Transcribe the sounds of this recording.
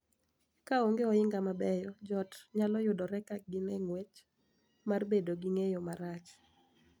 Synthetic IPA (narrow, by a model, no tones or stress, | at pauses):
kaoŋɡeɔɪŋɡamabɛjɔd͡ʒɔtɲalɔjʊdɔɾɛkak̚ɡɪmɛŋwet͡ʃ | marbedoɡiŋejomaɾat͡ʃ